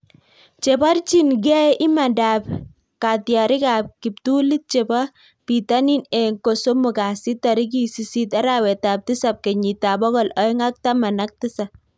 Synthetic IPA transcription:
t͡ʃe˨ba˦rt͡ʃi˦nɡɛ˦ʔɪ˦ma˨nda˨p | ka˨tjɔ˨ɾɪ˦ka˨p̚ki˨p̚tu˦li˦t̚t͡ʃe˨ba˦ | pi˨ta˦ni˦nɛ˨ŋko˨so˦mʊ˨ka˨si˦tɔ˨ɾɪ˦k̬i˦si˨si˦ta˦ɾawɛ˨ta˨p̚tɪ˦sa˨p̚kɛ˨ɲi˨ta˨bɔ˦ɡɔ˦lɔ˨˦ɪ˦ŋa˦k̚ta˦ma˨na˦k̚tɪ˦sa˨p̚

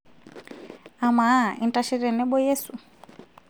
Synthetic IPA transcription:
a˨ma˦ḭ˨ntaʃi˦ɾɛ˨nɛ˦ɓɔ˦jɛ˦su˨

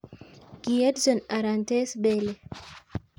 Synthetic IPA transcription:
ɡiɛ˦dsɔ˨na˨ɾa˨nte˦sbe˦le˨

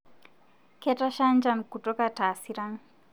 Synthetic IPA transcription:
kɛta˦ʃa˦nd͡ʒa˦nku˨tɔ˦kataː˨siɾa˦n

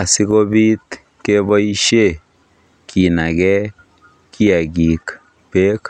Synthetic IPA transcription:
a˨si˦ko˦bi˦t̪ | ke˦βɔ˦i˦ʃe˦ | ki˨na˨ɡɛ˦ | ki˦a˨ɡi˨k | pe˦k

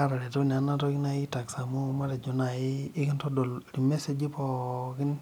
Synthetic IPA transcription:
a˦ɾa˨ɾe˨to˦n˨a˦na˦tɔ˦ki˦na˨ji˦ta˨ksa˨mu˦ma˦ɾe˨d͡ʒu˦na˨jɪː˦kɪ˦ntɔ˦dɔ˨lɾi˨me˦se˦d͡ʒi˦pɔ˨kɪ˦n

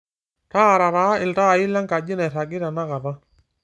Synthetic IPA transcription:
ta˦˨ɾa˨ɾaː˨˦ɪ˨lta˦˨ɪ˦la˦ŋka˨d͡ʒɪ˦na˨ɾa˨ɡɪ˦ɾa˨na˦ɣa˨ða˦

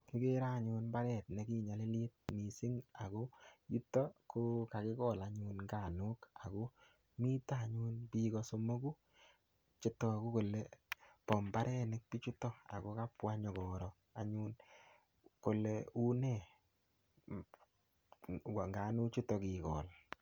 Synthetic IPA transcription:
ki˦ke˦ɾa˦˨ɲu˧nba˦ɾɛ˨t̚ne˨ki˦ɲa˨le˦li˦t̚mi˨sɪ˦ŋa˨ko˦ju˦tɔ˦ko˦ka˨kɪ˦kɔ˦˨la˨ɲuː˧nŋɡa˨nu˦ka˨ko˦ | mi˦ta˦˨ɲu˦npikɔ˦so˧mo˦ku˦ | t͡ʃi˦tɔ˨a˨ku˦ko˨lepɔ˨mba˦ɾʔɛ˦nɪ˦k̚pi˦t͡ʃu˦tɔ˦a̰˨ko˦ka˦pwa˦ɲɔ˨kɔ˨ɾɔ˨ | a˨ɲun | ko˨leu˦nɛ˦˨ | ŋɡaː˨nu˦t͡ʃu˦tɔ˨ki˨kɔ̰ː˨l

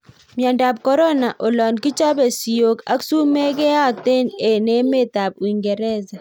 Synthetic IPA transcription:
mja˨nda˨p̚kɔ˦ɾɔ˦na˨ʔo˨lɔ˨nki˦t͡ʃa˦bɛ˨si˨jo˨ka̰˦ksu˦me˦ke˦a˦te˦˨ne˨ne˦me˦˨ta˨b̚wi˨ŋɡɛ˨ɾɛ˦za˨

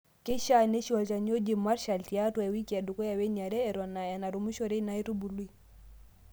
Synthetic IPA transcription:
ke˦ʃa˦ne˦ʃi˦ɔ˨lt͡ʃa˨ɲo˦d͡ʒe˨ma˦ɾʃa˨lti˨a˦twɛ˨wi˦ki˨a˨du˨ko˦ja˨we˦ɲa˨ɾɛː˦˨ɾɔ˨na˨ja˨na˨ɾu˨mu˦ʃo˨ɾe˦na˨˦i˦ɾu˦bu˨lu˦i˨

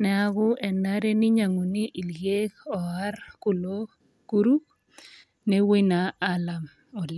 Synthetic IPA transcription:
nɛ˨a˦ɡʊ˦ʔɛ˨na˦ɾe˦nɪ˦ɲa˨ŋo˨ni˦ʔi˨lɡe˦kɔ˨a˦ɾkʊ˨lo˦ | ku˦ɾu˦k | nɛ˦we˦na˨a˦la˨m | ɔ˨l

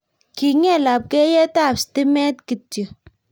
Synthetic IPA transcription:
ki˨ŋɛ˦˨la˨p̚kɛ˦jɛ˦ta˦˨psti˦mɛ˦tki˨tjə˨

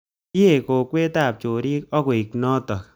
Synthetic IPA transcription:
i˦e˨ko˨kwe˦ta˦˨p̚t͡ʃo˨ɾi˦kɔ˦ko˨i˨knɔ˦tɔ˨k̚

